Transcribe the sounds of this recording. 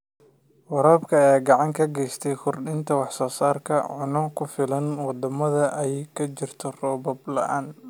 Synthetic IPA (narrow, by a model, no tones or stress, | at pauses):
wɐɾɔːbkʰɐɛːɡɑʕɑŋkʰɐɡɛjst̪ʰɛjkʰʊrɗɪnt̪ʰɐwɑħsɔːsaːrkʰɐʕʊnɔkʰʊfɪlɐnwɑd̪ɐmɐðɐʔɛjkʰɐt͡ʃɪrt̪ʰɔrɔːbɔblɐ̰ʔaːn